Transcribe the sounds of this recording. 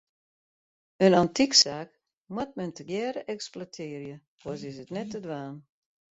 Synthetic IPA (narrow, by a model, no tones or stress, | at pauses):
ənantiksaːk | mwat̚mɛntəɡjɛːɾəʔɛksplatʰɪːərjə | kʰɔsɪsətnɛtədwaːn